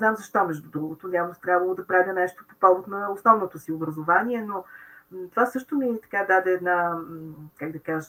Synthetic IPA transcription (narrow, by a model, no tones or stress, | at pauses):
znamzɐʃt̪ɔmɛʒd̪ʊd̪ɾuɡʊt̪ʊnʲavnot̪ɾʲjabvɐlˠod̪ɐpɾad̪ʲɛnɛʃt̪o̥po̥pɔlˠbot̪nɐʊsnɔvnot̪ʊsiʊbɾɐzʊvaniɛnot̪ovasɤʃt̪ʊmit̪ɐ̥kad̪ad̪ɛːd̪na | kaɡ̚d̪ɐkaʒə